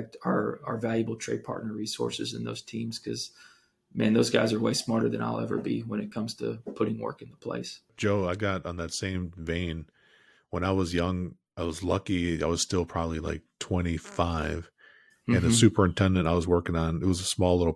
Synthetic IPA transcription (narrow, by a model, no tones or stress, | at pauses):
k̚tə˞ə˞vælˠjɨbl̩ˠtʰɹ̥eɪd̚pʰɑ̰ɹtⁿnə˞ɹisɔ̰ɹsɨ̰zɨ̰̃nðo̰ʊz̥tʰĩmz̥kʰʌz̥ | mæ̰̃nðoʊzɡaɪzə˞weɪsmɑɹɾə˞ðɨ̰̃na̰ɪlˠɛ̰və̰˞bḭwə̃nɨt̚kʰʌ̃mz̥tʰɨ̰pʰʊɾɪ̃ŋwɜ̰˞kɨ̃nðəpʰl̥ḛɪsd̥ʒ̥oʊaɪɡɑɾn̩ðɨtsẽɪ̃ɱvẽɪ̃n | wə̃ñaɪwʌzjʌ̃ŋ | aɪwʌzlʌkia̰ɪwʌz̥stɪlˠpʰɹ̥ɑbəblila̰ɪk̚tʰw̥ɛ̃ɾ̃ifaɪv̥ | ɨ̃nɨsʉpə˞ɨ̃ntʰɛ̃ndɨ̃ntaɪwʌzwɜ˞kɪ̃ŋə̃nɨt̚wʌzəsmɔlˠlɪɾl̩ˠ